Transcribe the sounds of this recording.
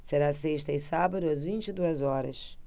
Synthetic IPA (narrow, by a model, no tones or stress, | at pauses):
seɾaseʃt̪ɐisabɐðuɐzvĩnt̪id̪uɐzɔɾɐ̰ʃ